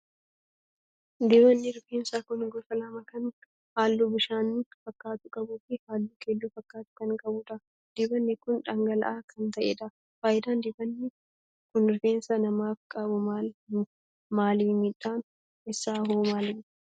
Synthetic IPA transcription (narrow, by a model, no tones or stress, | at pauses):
d̪ɪbɐnːɪɾʊfeːnsaːkʊnɡɔfɐlɐmɐkɐn | haːlːuːbɪʃaːnifɐkːaːt̪ʊkʼɐbuːfɪhaːlːuːkʰeːlːuːfɐkːaːt̪ʊ̥kɐnkʼɐbuːᶑ̪ɐ | d̪̥ɪbɐnːɛkʊnᶑɐŋɡɐlɐ̰ʔaːkʰɐnt̪ɐʔḛːᶑɐ | faːjɪd̪aːnd̪ɪbɐnːɪ | kʊnɾʊfeːnsɐnɐmaːfkʼɐbʊmaːl | maːlimiːᶑːaːn | ɛsːaːɦuːmaːlɪ